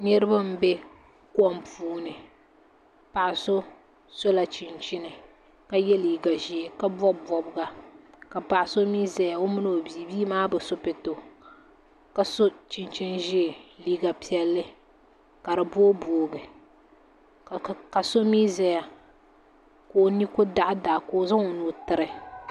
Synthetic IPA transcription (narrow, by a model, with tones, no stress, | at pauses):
nɛ˦ɾɨ˦ba˦m̩˦bɛ˦ | kwɔ˦mpuː˦nɨ˨ | pa˨ʔɪ˨so˦ | so˦la˨t͡ʃɪ˨nt͡ʃi˦nɨ˨ | ka˨jɛ˦liː˨ɡa˨ʒi˦e˨ka˦bɔ˦bbɔ˨bɨ˨˦ɡa˨ | ka˨pa˨ʔa˨so˦miː˦za˨ja˨o˦mɨ˦no˨o˨bi˨biː˦maː˦bɛ˨so˦pɪ˨to˨ | ka˨so˦t͡ʃi˨nt͡ʃi˦nʒi˦˨liː˦ɡa˨pi˦ɛ˨lːɨ˦ | ka˨ɾɨ˨boː˦boː˨ɡɨ˨ | ka˨so˦miː˦zɛ˨ja˨ | ko˨o˨ni˦kʊ˦da˦˨ʔa˦da˨ʔkoː˨za˦ŋo˨nu˨tɨ˨ɾɨ˨